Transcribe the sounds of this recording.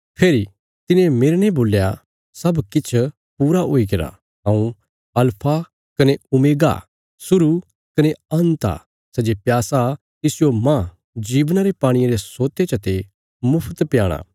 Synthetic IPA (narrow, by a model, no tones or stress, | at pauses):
pʰeːɾi | t̪ɪnẽmeːɾɽ̃ẽboːlja | sɐbkɪt͡ʃʰ | puːɾaɦoːikeɾa̰ | ɦãːũ | ɐlpʰa | kɐneʊmeːɡa̰ | sʊɾu | kɐneɐ̃nt̪a̰ | sɛd͡ʒepjaːsa | t̪ɪsɪjomãː | d͡ʒiːʋnaɾepaːɽ̃ɪjãɾesoːt̪et͡ʃɐt̪e | mʊpʰt̪pjaːɽ̃a̰ː